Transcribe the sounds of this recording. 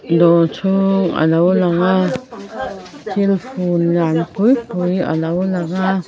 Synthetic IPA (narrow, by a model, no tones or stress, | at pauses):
dot͡sʰuŋa̰lawlaŋa | tʰelfunjanpujpuja̰lawlaŋa